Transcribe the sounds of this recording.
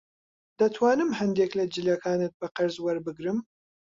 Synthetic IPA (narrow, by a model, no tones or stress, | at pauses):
d̪ɐt̪ʰwaːnɨmhɐnd̪eːklɐd͡ʒɨljɐkʰaːnɨt̪̚bɐqɐɾzwɐɾbɨɡɾɨm